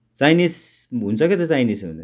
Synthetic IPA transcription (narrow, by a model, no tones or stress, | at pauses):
t͡sajnisɦunt͡saket̪et͡sajnisṵnd̪e